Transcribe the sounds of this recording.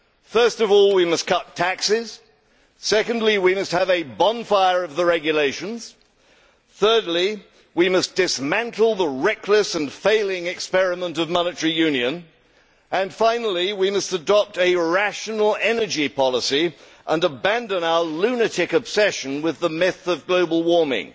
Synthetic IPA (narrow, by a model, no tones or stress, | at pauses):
fɜ˞stʌvɔlˠwimʌskʰʌtʰæksɪz̥ | sɛkɨ̃n̩dˡliwimʌst̚hɨvɨbɑ̃nfaɪə˞ʌvðəɹɛɡjɨleɪʃɨ̃nz̥ | θɜ˞dˡli | wimʌsd̥ɨsmæ̃ntʰl̩ˠðəɹɛkʰləsɨ̃nfeɪlˠɪ̃ŋɨkspɛɹɨmə̃ntʌvmɑnɨtə˞ijʉ̃njɨ̃n | ʔɨ̃nfãɪ̃nl̩ˠiwimʌstɨdɑp̚tɨɹæʃɨn̩l̩ˠɛnə˞d͡ʒipʰɑlˠəsi | ʔə̃nəbæ̃ndə̃naʊəlʉnɨɾɪkɨb̥sɛʃɨ̃n̩wɨðəmɪθʌvɡloʊbl̩ˠwɔɹmɪ̰̃ŋ